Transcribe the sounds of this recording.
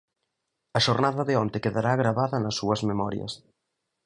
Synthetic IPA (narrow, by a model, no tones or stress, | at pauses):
ɐʃoɾnaðɐðeɔnt̪ɪkeðaɾaɣɾaβaðɐnɐsːuɐzmemɔɾjɐ̰s